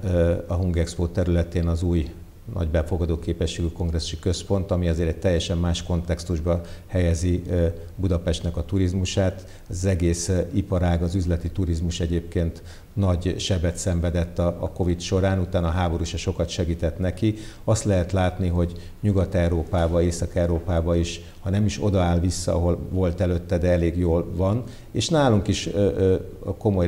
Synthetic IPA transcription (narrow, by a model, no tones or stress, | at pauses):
ɒɦuŋɡɛkspoːt̪ːɛɾylɛt̪eːnɒzuːj | nɒ̰ɟbɛfo̞ɡɒd̪oːkeːpɛʃːeːɡyko̞ŋɡrɛsːu̥ʃikø̞spo̞nt̪ɒmiɒzeːɾɛɟ̚t̪ɛjːɛʃɛmːaːʃko̞nt̪ɛkst̪uʒbɒhɛjɛzi | bud̪ɒpɛʃt̪nɛkɒt̪uɾizmuʃaːt̪ | zɛɡeːsipɒɾaːɡɒzyzlɛt̪it̪uɾizmuʃɛɟeːpkeːnt̪ | nɒɟʃɛbɛt̪sɛɱvɛd̪ɛt̪ːɒːko̞vit̪ʃo̞ɾaːnut̪aːnɒɦaːbo̞ɾuʃɒʃo̞kɒt̪ʃɛɡiːt̪ɛt̪nɛkiɒst̪lɛɦɛt̪laːt̪niɦo̞ɟ | ɲuɡɒt̪ɛwɾoːpaːbɒeːsɒkɛwɾoːpaːbɒiʃ | hɒnɛmiʃo̞̰d̪ɒaːlvisːɒ̰ɒ̰ɦo̞lvo̞lt̪ɛløt̪ːɛd̪ɛɛleːɡjoːlvɒn | eːʃnaːluŋkiʃ | ko̞mo̞j